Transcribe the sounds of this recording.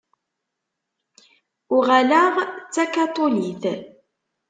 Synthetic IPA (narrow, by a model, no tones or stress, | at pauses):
ʊʁalaʁt͡sːakɑt̪ˤoliθ